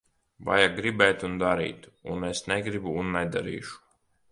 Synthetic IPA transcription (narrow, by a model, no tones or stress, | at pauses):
va̰jaɡɾibɛjt̪und̪aɾḭːt̪unesnɛɡɾibuːnːɛd̪aɾḭːʃu̥